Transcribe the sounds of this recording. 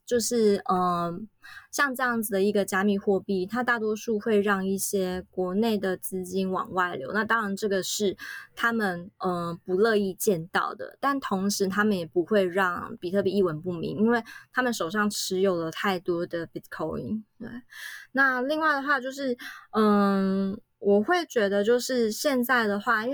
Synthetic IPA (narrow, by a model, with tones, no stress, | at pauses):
t͡ɕjo˥˧ʊʂɻ̩˥˩ə˩ | ɕjɑ˥˧ŋʈ͡ʂɤ˥˧jɑ˥˩ŋd͡zɨ˩d̪ə˩i˧˥ɡə˧t͡ɕja˥mi˨˩xwɔ˥˧pi˥˩t̪ʰa˥t̪a˥˩t̪̬wɔ˥ʂu˥˧xwe˥˧ɪɻɑ˥˧ŋi˥˩ɕjɛ˥kwɔ˧˥ne˥˩ɪd̪ə˩t͡sɹ̩˥˧t͡ɕi˥nwɑ̰˨˩ŋwa˥˩ɪljo̰˧˥ʊna˥˧t̪ɑ˥ŋɻa˧˥nʈ͡ʂɤ˥˩ɡə˩ʂɻ̩˥˩t̪ʰa˦˥mə˨˩nə˩pu˧˦lɤ˥˧i˥˧t͡ɕjɛ˥˧nt̪ɑ̰˥˩ʊd̪ə̰˩t̪a˥˩nt̪ʰo˧˥ŋʂɻ̩˧˥t̪ʰa˥mə˨njɛ˨˩pu˧˦xwe˥˧ɪɻɑ˥˩ŋpi˨˩t̪ʰɤ˥˩pi˨˩i˥˩wə˧˥npu˥˩mḭ˧˥ŋi˥nwe˥˩ɪt̪ʰa˥mə˨nʂo˨˩ʊʂɑ˥˩ŋʈ͡ʂʰɻ̩˧˥jo˨˩ʊlə˩t̪ʰa˥˩ɪt̪wɔ˥d̪ə˨pi˨˥t̪kʰo˥ʊḭ˧˥ŋt̪we˥˩ɪna˥˧li˥˧ŋwa˥˩ɪd̪ə˩xwa˥˧t͡ɕjo˥˧ʊʂɻ̩˥˩ə˨˩ | wʔɔ˨˩xwe˥˩ɪt͡ɕɥɛ˧˥d̪ə˧t͡ɕjo˥˧ʊʂɻ̩˥˧ɕjɛ˥˧nt͡sa˥˩ɪd̪ə˩xwa˥˧i˥nw